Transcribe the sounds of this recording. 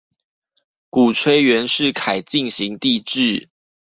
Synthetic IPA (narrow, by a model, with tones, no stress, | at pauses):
ku˨˩t͡sʰwe˥ɪɥɛ˨˦nʂɻ̩˥˨kʰa˨˩ɪt͡ɕi˥˨nɕi˨˦ŋt̪i˥˧ʈ͡ʂɻ̩˥˨